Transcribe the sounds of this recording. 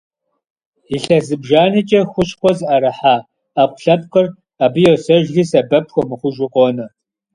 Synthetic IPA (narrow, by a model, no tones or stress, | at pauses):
iɬɐzɨbʒaːnɨt͡ʃʼɐxʷʊɕxʷɔzɨʔɐɾɐħaː | apʷʼɬɐpqʼɨr | aːbɨjɛwsɐʒɣiːsɐbɐpxʷɔmɨχʷʊʒʊqʷʼɔnɐ